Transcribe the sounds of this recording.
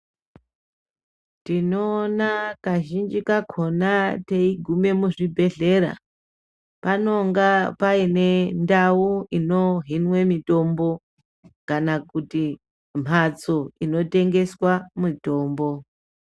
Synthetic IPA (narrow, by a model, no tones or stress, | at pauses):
tinoːnakaʒind͡ʒikakʰo̞nateiɡʱume̞muʐibʱe̞ɮe̞ɾa̰ | pano̞ŋɡapaine̞ndawuino̞ɦinwe̞mito̞mbo̞ | kanakuti | m̤ʱat͡so̞ino̞te̞ŋɡe̞swamito̞ːmbo̞